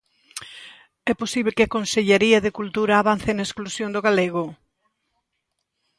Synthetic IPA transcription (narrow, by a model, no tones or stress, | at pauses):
ɛposiβlekɪakonseʎeɾiɐðekult̪uɾaːβan̟θenaesklusjõnd̪oɣaleɣo